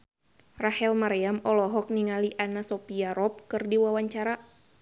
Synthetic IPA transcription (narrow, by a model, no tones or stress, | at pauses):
rahɛlmaɾɛamɔlɔɦɔk̚niŋaliʔanasɔpiaɾɔp̚kɨrdiwawaɲt͡ʃaɾa